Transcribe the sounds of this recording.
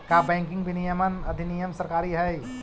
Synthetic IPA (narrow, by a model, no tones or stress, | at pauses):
kaːbɛ̃ːŋkɪ̃ŋɡbʱinijəmənɐd̪ʱinijəmsɐɾkaːɾiɦɛj